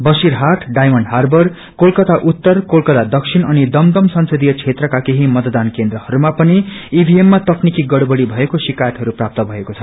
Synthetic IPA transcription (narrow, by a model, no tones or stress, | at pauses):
bʌsiɾɦaʈʰɖajmʌnɖɦarbʌr | kolkʌt̪aʔut̪ːʌrkolkʌt̪ad̪ʌksʰinʌnid̪ʌmd̪ʌmsʌnsʌd̪ijʌt͡sʰet̪rʌkakeɦimʌt̪d̪ankend̪rʌhʌɾumapʌniibʱiemːat̪ʌknikiɡʌɽbʌɽibʱʌekosikajʌt̪ɦʌɾuprap̚t̪ʌbʱʌekot͡sʰʌ̥